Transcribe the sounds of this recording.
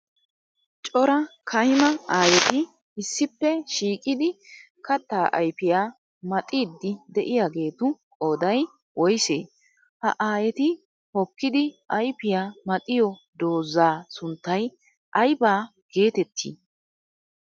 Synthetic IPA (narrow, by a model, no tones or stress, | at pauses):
t͡ʃʼɔɾɐkʰɐjɪmɐaːjɛt̪ɪ | ɪsːɪpːɛʃiːkʼɪd̪ɪ | kɐt̪ːaːʔɐjpɪjaː | mɐt̪ʼiːd̪ːɪd̪ɛʔɪjaɡe̞ːt̪ʊkʼoːd̪ɐj | wɔjseː | hɐ̰ʔaːjɛt̪ɪ | hɔkːɪd̪ɪʔɐjpɪjaːmɐt̪ʼɪjɔ | d̪o̞ːzːaːsʊnt̪ːɐj | ʔɐjbaːɡ̥e̞ːt̪ɛt̪ʰːḭː